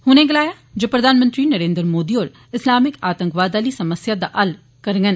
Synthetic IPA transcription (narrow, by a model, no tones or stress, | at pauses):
hʊnẽɡɐlaːja | d͡ʒopɾɐd̪ʱaːnmə̃nt̪ɾinɐɾẽːnd̪ɾmoːd̪ioːɾ | ɪslaːmɪkaːt̪ə̃ŋkʋaːd̪aːlisɐməsjad̪aʔɐl | kɐɾŋɡən